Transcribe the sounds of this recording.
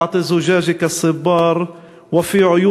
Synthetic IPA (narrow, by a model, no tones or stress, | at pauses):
ʕt̪ˤizʊʒaːʒɪkasːɨbːɑːɾˤ | wɪfiʕʊju